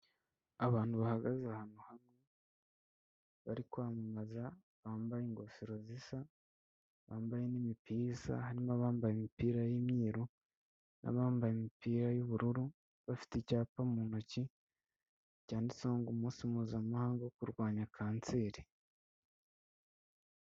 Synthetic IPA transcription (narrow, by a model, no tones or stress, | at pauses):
aβaːn̥huβahaɡazahanohamŋe | βa̰ɾikwaːmamaza | βaːmbajeŋɡo̞fiɾozisa | βaːmbajenimipiza̰haɾimaβaːmbajemipiːɾajemɲiːɾo | nʔa̰βaːmbajemipiːɾajoβuɾuɾu | βafi̥tecaːpamuːnoci | caːndisoːŋɡumuːnsimuːzamahaːŋɡokuɾɡwaːɲakʰaːnt͡seːɾi